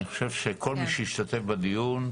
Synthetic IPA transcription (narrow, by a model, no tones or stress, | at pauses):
niχo̥ʃe̞vʃekʰo̞lmiʃejiʃt̪at̪e̞fbad̪ijun